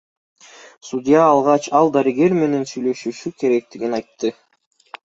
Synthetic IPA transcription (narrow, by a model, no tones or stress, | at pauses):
sud̪ʲɪjaːlˠʁɑt͡ʃɑlˠd̪aɾɨɡe̞ɾme̞ne̞nsyjlø̞ʃyʃyke̞ɾe̞k̚t̪iɡinɑjt̪ːɯ